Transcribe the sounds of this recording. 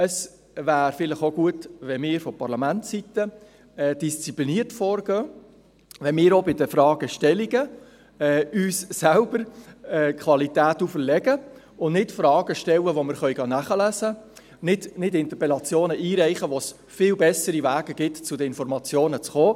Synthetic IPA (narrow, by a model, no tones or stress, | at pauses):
əs | ʋæːɾfɪləχoɡuətʋɛmɪːɾfɔpɑɾlɑmæntsit̪ə | ɛːd̥ist͡sipliniːəɾtfɔːɾɡ̥øː | ʋɛnmɪːɾobɪdəfɾɑːɡ̥əʃtɛliɡə | ɛːyːsːælbəɾɛːkχʋɑlit̪æːt̪ufəɾlɛɡə | ʊnnɪtfɾɑːɡ̥əʃtɛlːəʋomɪɾχœʏɡɑnæχəlæzə | nɪdnɪdɪnt̪əɾpɛlɑt͡sjoːnəʔiːɾæɪχəʋos | fɪːlbɛsəɾivæːɡəɡ̥ɪtt͡sʊdəɪnfɔɾmɑt͡sjoːnət͡sχoː